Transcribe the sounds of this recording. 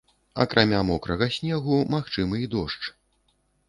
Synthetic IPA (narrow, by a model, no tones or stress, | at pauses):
ɐ̰kɾʔamʲamɔkɾɐɣɐsʲnʲɛɣumaxt͡ʂɨmɨid̪ɔʂt͡ʂ